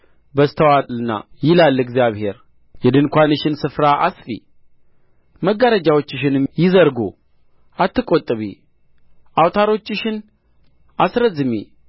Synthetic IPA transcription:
bəst̪ʰəwat̪ʼlɨnːa̰jɪlalːɨɡzijaβhe̞ɾ | jɛd̪ɨnkʷanɨʃɪnsɨfɾaʔasfḭ | məɡːaɾəd͡ʒawo̞t͡ʃːɪʃɪnjɪzəɾɡo̰ | ʔat̪ʰːɨkʼːot̪ʼːɨβi | awt̪ʰaɾo̞t͡ʃːɪʃɪn | ʔasɾəzɨmḭ

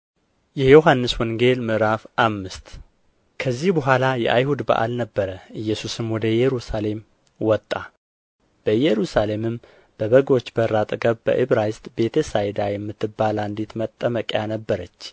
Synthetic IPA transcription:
jɛjo̞ɦanːɨswɔŋɡe̞lmɨʔɾafʔamːɨst̪ | kʰəzːihbəɦʷalajɛ̰ʔajhud̪ba̰ʔa̰lnəbːəɾəʔɨjːɛsusɨmwɔd̪əjɛɾusale̞m | wɔt̪ʼːa | b̥əjɛɾusale̞mɨm | b̥əβəɡo̞t͡ʃːbəɾːat̪ʼɡəβbə̰ʔɨβɾajst̪ʼbe̞t̪ʰesajd̪ajɛmːɨt̪ːɨbːalaɨnd̪et̪mət̪ʼːəməkʼjanəbːəɾət͡ʃː

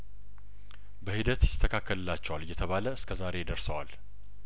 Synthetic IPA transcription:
bəhid̪ət̪jɪst̪ʰəkʰakːəlɨlːat͡ʃːɛwalɨjːɛt̪ʰəβaləɨskʰəzaɾe̞d̪əɾsəwal

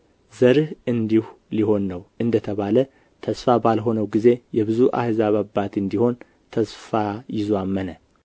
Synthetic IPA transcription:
zəɾɨhɨnd̪ihu | liho̞nːəwʔɨnd̪ət̪ʰəβalə | t̪ʰəsfabalɦo̞nəwɡize̞jɛβɨzuʔa̰hzaβabːat̪ɨnd̪iho̞n | t̪ʰəsfajɪzoamːənə

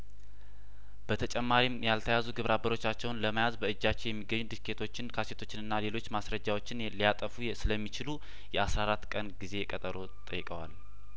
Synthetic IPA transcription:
b̥ət̪ʰət͡ʃʼɛmːaɾimjalt̪ʰəjazuɡɨβɾʔabːəɾo̞t͡ʃːat͡ʃːɛwnləmajazbəɨd͡ʒːat͡ʃːɛwjɛmːiɡːəɲːud̪ɨskʰet̪ʰo̞t͡ʃːɪnkʰase̞t̪ʰo̞t͡ʃːɪnɨnːale̞lo̞t͡ʃːmasɾəd͡ʒːawo̞t͡ʃːɪnlijat̪ʼəfusɨləmːit͡ʃɪlu | jɛasɾaɾat̪ːkʼənɡize̞kʼət̪ʼəɾo̞ | t̪ʼəjːɪkʼəwa̰l

